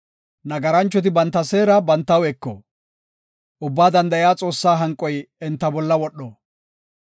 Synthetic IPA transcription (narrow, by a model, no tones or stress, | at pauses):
nɐɡɐɾɐnt͡ʃːɔt̪̬ɪbɐnt̪ːɐse̞ːɾɐbɐnt̪ːɐwɛkːɔ̰ | ʔʊbːaːd̪ɐnd̪ɐjɪjaːt͡sʼo̞ːsːaːɦɐŋkʼːɔjɛnt̪ːɐbɔlːɐwɔɗɔ